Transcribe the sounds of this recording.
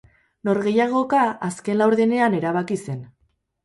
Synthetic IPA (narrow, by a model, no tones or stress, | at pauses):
no̞ɾɣe̞jaɣ̞o̞kaaske̞nlawɾðene̞ane̞ɾaβakise̞n